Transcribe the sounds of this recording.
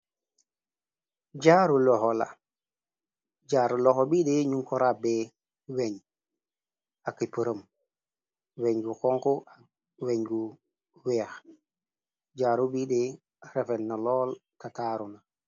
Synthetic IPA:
ɟaːɾulɔxɔla̰ | ɟaːɾulɔxɔbideɲuŋkɔɾabɛ | weɲ | akːipəɾəm | weɲɡukɔŋkɔa | weɲɡu | wɛːx | ɟaːɾubidɛ | ɾefɛnnalɔːlkataːɾuna

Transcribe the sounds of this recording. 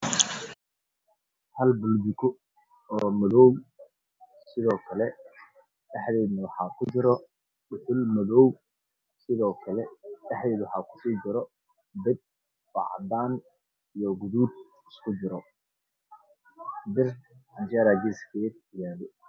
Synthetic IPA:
hɐlbʊld̪ɪkʰʊ | ɔːmɐðɔːw | sɪðɔːkʰɐlɛ | dɑħðɛːðnɐwɑħɑːkʰʊd͡ʒɪɾɔ | bʊħʊlmɐðɔːw | sɪðɔːkʰɐlɛɑħd̪ɛːðwɑħɑːkʰʊ̥siːd͡ʒɪɾɔ | b̪ɛd̪̚ | fɑ̰ʕ̰d̪aːn | ijɔɡʊðuːd̪ | ɪskʰʊd͡ʒɪɾɔ | d̪ɪrɐnd͡ʒɛɾaɡɪskʰɛːd̪̚jaːlɛ

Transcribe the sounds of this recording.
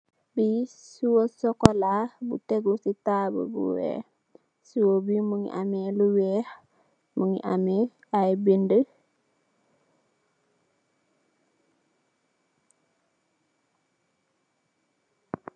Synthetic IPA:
bisuwosɔkɔlabṵteɡusitaːbə̰bṵwɛ̰ | suwobimuŋḭʔamɛluwɛh | muŋḭʔamɛ | ajbində

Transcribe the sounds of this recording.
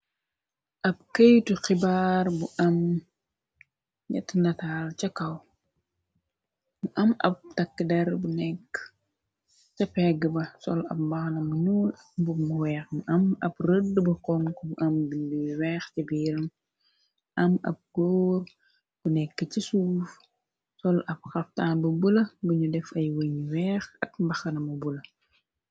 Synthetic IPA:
ʔɐb̚kəjtuxɪbaːɾbuʔɐm | ɲɐ̰tnɐtaːlt͡ʃɐkɐw | muʔɐmɐ̰p̚tɐkːədɛɾbunɛkː | t͡ʃɐpɛɡːəbɐsɔlɐ̰p̚bɐxnɐmunul | bumuwɛːxmuʔɐmɐprədːbɐkɔnkumuʔɐmbiɲbiwɛːxt͡ʃibiːɾɐm | ʔɐmɐ̰p̚ɡ̥oːr | b̥unɛkːəcisuːf | sɔlɐp̚xɐftaːnbɐbulɐbəɲudɛfɐjwəɲwɛːxɐkmbɐxɐnɐmubulɐ

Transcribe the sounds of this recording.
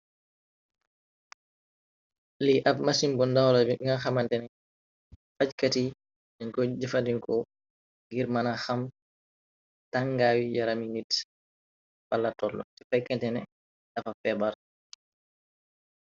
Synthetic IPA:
liʔafmasimbɔndawlabɛŋaxamantɛnɛ | fackati | dɛŋkɔd͡ʒɛfandiŋkɔ | ŋɡiɾmanaxam | taŋːɡaːwijaɾaminit | falːatɔlːɔ̰tɛ̥fajkːɛntɛnɛ | dafafɛbaɾ

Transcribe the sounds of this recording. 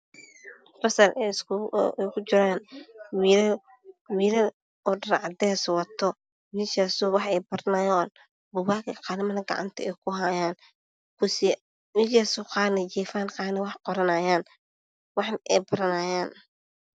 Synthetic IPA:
fɐsɐlɛsɛkʰʊt͡ʃɪɾaːnwiːɾɐ | wiːɾɐ | ɔɖɐɾʕɑd̪ɛːswɐt̪ʰɔ | wiːʃaːsɔwɑħɛjbɐɾnɐjaːn | bʊwaːkɐqɑːlɪmɐðɐɡɑ̰ʕɑ̰nt̪ʰɐɛjkʰʊɦaːjaːn | kʰʊsi | wiʃaːsʊqɑːnɐd͡ʒɛːfaːnqɑːnɐwɑħqɔɾɐnaːjaːn | wɑħnʔɛjbɐɾɐnaːjaːn

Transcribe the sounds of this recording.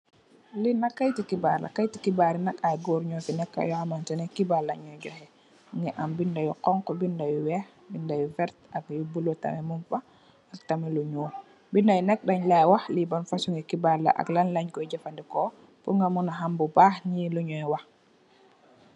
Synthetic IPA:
linakːajtikibaɾla̰kajtikibaɾinakajɡoːɾɲɔfinɛkːa̰jɔamantɛnɛkibaɾlːaɲɔjɟɔhɛ | ŋɡɛʔambindajɔkɔŋkɔbindajuwɛh | bindajɔvɛɾtak̚jubulɔta̰mɛmumfa | ak̚tamɛluɲoː | bindajnɛk̚daɲlajwahlibanfasuŋɡɛkibaɾlːa̰ʔa̰klanlaɲkɔjɟafandikɔ | puŋɡamunaɦambubaːhɲiːluɲɔjwah

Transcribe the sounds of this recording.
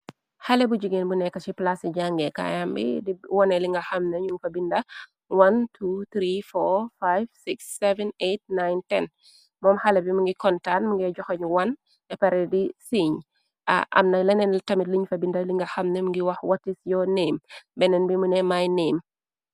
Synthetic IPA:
hɐlɛbuɟiɡenbunɛkɐt͡ʃiplasiɟaŋɡɛka̰jambḭdiwɔnɛliŋɡɐxɐmnɐɲufɐbindɐ | wɐntʰut̪ɾifɔfajvsiksːɛvɛnet̚najntɛn | mɔːmhɐlɛbimuŋɡikɔntanmuŋɡɛɟɔxɐɲwɐn | ɛpɐɾɛdisiɲ | a̰ʔɐ̰mnɐlɛnɛnltɐmitliɲfɐbindɐliŋɡɐxɐmnɛmuŋɡiwɐxwɐtːisjɔneːmbɛnɛnbimunɛmajneːm

